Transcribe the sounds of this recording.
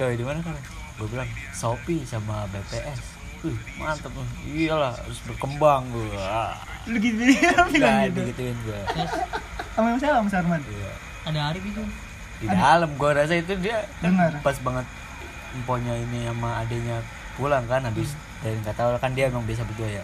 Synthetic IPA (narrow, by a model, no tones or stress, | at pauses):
d͡ʒaadimanakalo | ɡuabilaŋsopisamabepeʔɛs | əhmant̪əp̚uialaha̰ɾʊsbərkəmbaŋɡua | dəɡit̪ukadəɡit̪uɪnɡua | amemasawamasaarmanija̰ | adaɦaɾibit̪u | didaləmɡuaɾas̬ait̪̬udiakaapasbaŋət̪̚ | əmpoɲainiamaːdaɲa | pulaŋkanabɪs | daɾiŋkat̪aulakandiaemaŋbias̬abəɡuaja